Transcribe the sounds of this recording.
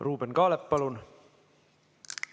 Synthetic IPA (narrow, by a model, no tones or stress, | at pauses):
ruːbenkɑːlepːɑlun